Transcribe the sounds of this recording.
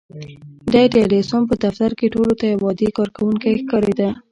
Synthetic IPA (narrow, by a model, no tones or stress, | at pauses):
d̪ajd̪əalesonpəd̪aft̪aɾkeʈolot̪ajawɑd̪ekɑɾkawuŋkajxkɑɾed̪a